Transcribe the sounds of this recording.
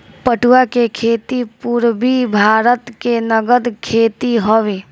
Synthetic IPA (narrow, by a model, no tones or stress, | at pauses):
pəʈuakekʰeːt̪ipuɾbibʱaːɾət̪kenəɡəd̪kʰeːt̪iɦoʋe